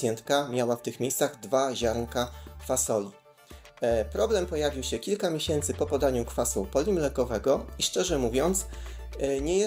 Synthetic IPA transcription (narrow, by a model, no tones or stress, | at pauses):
jɛnt̪kamʲjawaft̪ɘxmʲjejst̪saɣd̪vaʑaɾŋkakfasɔlʲi | pɾɔblɛmpɔjavʲiwɕɛkʲilkamʲjeɕɛnt̪sɘpɔpɔd̪aɲukfasṵpɔlʲimlɛkɔvɛɡɔiʂt͡ʂɛʐɛmuvʲjɔnt̪s | ɲɛjɛ